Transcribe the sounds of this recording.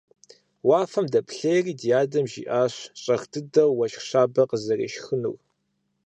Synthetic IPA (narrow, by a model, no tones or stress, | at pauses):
waːfɐmdɐpʰɬejriːdijaːdɐmʒḭːʔaːɕɕʼɐxtʰɨdɐwːɐʃɕaːbɐqəzɐrḛːʃxɨnṵw